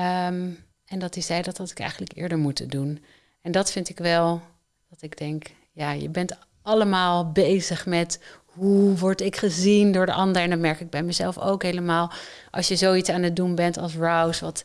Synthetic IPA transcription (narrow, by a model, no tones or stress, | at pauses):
əm | ɛndɑtizɛjdɑtɑtɪ̥kɛ̰jχənləkɪ̰ːɹdəɹmutədun | ɛndɑtfɪntɪkʋɛlˠ | d̥ɑtɪɡdɛŋk | jaːjə̰bɛnt | ɑləmaːlˠbejzəχmɛt | ɦuʋɔɹtɪkχəzindʊːɹdəʔɑndəɹɛndɔtmɛɹkɪɡ̚bɛjmɛzɛlˠfo̰wkɦejləmaːlˠʔɑ̰lˠʃjəzowitsaːnət̚dumbɛntɑ̰lˠsɹawsʋɑt